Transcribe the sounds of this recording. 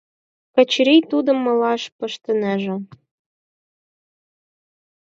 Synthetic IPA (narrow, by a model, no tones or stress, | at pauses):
kə̆t͡ɕɾit̪ud̪ə̆mːɤ̆lɑʃpɤ̆ʃt̪ə̆næʒĕ